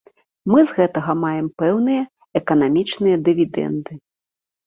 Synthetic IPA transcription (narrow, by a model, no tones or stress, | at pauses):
mɨzɣɛt̪ɐɣɐmajɛmpɛwnɨjɐ | ɛkɐnamʲit͡ʂnɨjɐd̪ɨvʲid̪ɛ̰nd̪ɨ